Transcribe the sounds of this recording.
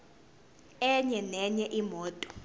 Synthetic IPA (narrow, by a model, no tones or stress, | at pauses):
ɛɲɛnɛɲɛʔimɔːtʼɔ̥